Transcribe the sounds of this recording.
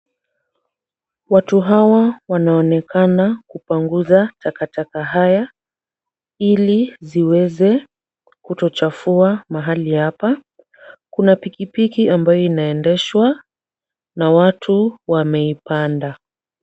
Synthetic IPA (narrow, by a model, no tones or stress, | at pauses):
watuɦawawanaɔnɛkanakupuŋɡuzatakatakaɦaja | iliziwɛzɛ | kutɔt͡ʃafuamaɦalihapa | kunapikipikiambajɔinaɛndɛʃwa | nawatʰuwamɛipanda